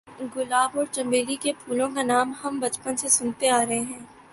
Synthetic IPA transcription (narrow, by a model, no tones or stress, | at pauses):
ɡʊlaːbɔːɾt͡ʃɐ̃mbeːlikepʰuːlõkanaːmhɐmbɐt͡ʃpənsesʊnt̪eaːɾɐɦeɦɛ̃ː